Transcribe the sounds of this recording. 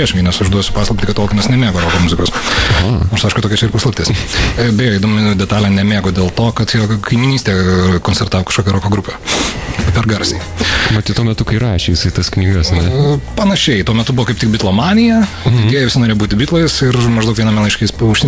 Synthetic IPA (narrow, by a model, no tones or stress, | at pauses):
iɛʃʲɪŋɡɐɪnʲɛsʊʒd̪uɔjsʲʊpɑːslˠɐpɪt̪ʲɪkɐt̪koːkʲɪnʲɛsnʲɛmʲeːɡoːɾoːkoːmʊzʲɪkoːsɐnoːɾsɐɪʃkʊtoːkʲɛt͡ʃʲɛɪrpɐslˠɐpʲt̪ʲeːsʲbʲɛjoːɪd̪oːmʲɪd̪ʲɛt̪ɑːlʲɛnʲɛmʲeːɡoːd̪ʲeːlˠt̪oːkɐt̪jɛːkɐɪmʲɪnʲiːsʲt̪ʲeːkoːnʲt͡sʲsʲɛrt̪ɑːʋokɐʃkoːkʲɛɾoːkoːɡɾupʲɛː | pʲɛɾɡɐɾʲsʲe | mɐt̪ʲɪt̪uɔmʲɛt̪ʊkɐɪɾɑːʃʲeːjɪsɐɪt̪ɐsknʲiːɡɐsɐnʲɛpɐnɐʃʲɛɪt̪uɔmʲɛt̪ʊbuʋoːkɐɪpt̪ʲɪk̚bʲɪtlˠomɑːnʲɪjɛ | ɪdʲeɛjɛʋʲɪsɪnoːɾeːjobuːt̪ʲɪbʲit̪lˠɐɪsɪrmɐʒd̪ɐʊkʋʲiɛnɐmɛlˠɐɪʃkʲɛsʊʃsʲɪ